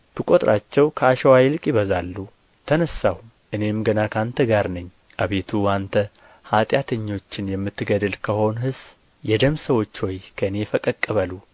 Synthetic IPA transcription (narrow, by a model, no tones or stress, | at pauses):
b̥ɨkʼo̞t̪ʼɾat͡ʃːɛwkʰəaʃɛwajlɨkʼjɪβəzalːu | t̪ʰənəsːah | ʔɨne̞mɡənakʰant̪ʰəɡaɾnɨɲː | ʔaβe̞t̪ʰuant̪ʰə | hat̪ʼjat̪ʰəɲːo̞t͡ʃːɪnjɛmːɨt̪ʰːɨɡəd̪ɨlkʰəho̞nɦɨs | jɛd̪əmsəwo̞t͡ʃːho̞jkʰəɨne̞fəkʼəkʼːəβəlu